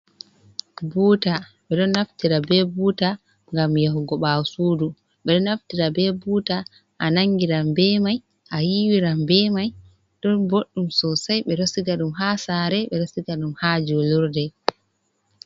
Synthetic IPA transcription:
buːtaɓɛɗɔnːaftiɾabɛbuːta | ŋɡamjaɦuɡɔɓasuːdu | ɓɛɗɔnːaftiɾabɛbuːta | ʔanaŋɡiɾambɛmaj | ʔajiwiɾambɛmaj | ɗɔnboɗːumsɔsajɓɛɾosiɡaɗumɦasaɾɛɓɛɾosiɡaɗumhad͡ʒoluɾdɛ

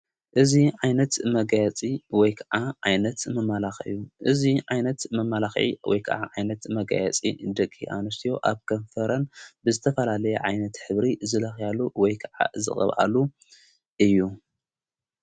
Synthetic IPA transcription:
ʔɨziʕajnɐt̪mɐɡajɛt͡sʼiwɔjkʰɐʕaʕajnɐt̪mɐmːalaxɨ̰jːuʔɨziʕajnɐt̪mɐmːalaxʕḭwʔɔ̰jkʰɐ̰ʕa̰ʕajnɐt̪mɐɡa̰jɛ̰t͡sʼḭd̪ɐkʼːiʔa̰nɨs̬t̪ʰijo̞ʔaβkʰɐɱfɐɾɐnbɨzɨt̪ʰɐfɐlalɐjɛʕajnɐt̪ħɨβɾizɨlɐxjalːuwɔjkʰɐʕa̰zɨ̰χʼɐ̰βʔa̰lu | ʔɨjːu

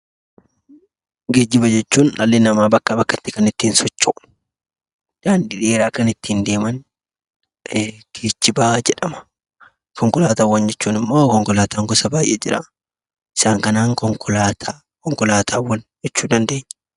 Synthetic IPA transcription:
ɡeːd͡ʒːɪbɐd͡ʒɛt͡ʃːuːnɐlːeːnɐmaːbɐkːɐbɐkːɐt̪ːɪ̥kɐnɪt̪ːiːnsɔt͡ʃːɔ | d͡ʒaːnd̪ɪᶑeːɾaːkɐnɪt̪ːiːnd̪e̞ːmɐn | kʰeːt͡ʃːɪbaːd͡ʒɛᶑɐmɐ̥ | kʰɔŋkɔlaːt̪aːwːɐnd͡ʒɛt͡ʃːuːnɪmːoːkɔŋkɔlaːt̪aːŋɡʊsɐbaːjʔɛd͡ʒɪɾa̰ | ɪ̥saːŋkɐnaːŋkɔŋkʰɔlaːt̪ʰaː | kɔŋkɔlaːt̪ʰaːwːɐnd͡ʒɛt͡ʃːuːd̪ɐnd̪eːɲː

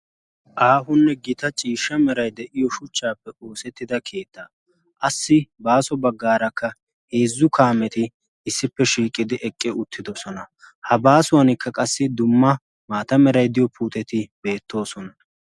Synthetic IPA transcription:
ʔaːɦʊnːɛɡɪt̪ɐt͡ʃʼiːʃːɐmɛɾɐjd̪ɛʔɪjɔʃʊt͡ʃːaːpːɛʔoːsɛt̪ːɪd̪ɐkʰe̞ːt̪ːɐ | ʔɐsːɪbaːsɔbɐɡːaːɾɐkːɐ | he̞ːzːʊkaːmɛt̪ɪː | sːɪpːɛʃiːkʼɪd̪ɪʔɛkʼːɪʊt̪ʰːɪd̪ɔsɔnɐ | hɐbaːsʊwɐnɪkːɐkʼɐsːɪd̪ʊmːɐ | maːt̪ɐmɛɾɐjd̪ɪjɔpuːt̪ɛt̪ɪbe̞ːt̪ːo̞ːsɔnɐ

